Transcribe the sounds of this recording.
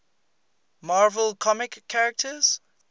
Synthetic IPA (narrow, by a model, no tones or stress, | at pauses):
maːvəlˠkʰɔmɪkʰːaɹək̚təz̥